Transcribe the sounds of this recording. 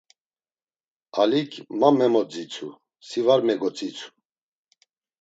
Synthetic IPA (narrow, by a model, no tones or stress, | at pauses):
alikʰmamɛmɔd͡zit͡sʰu | sivaɾmɛɡɔt͡sʼit͡sʰu̥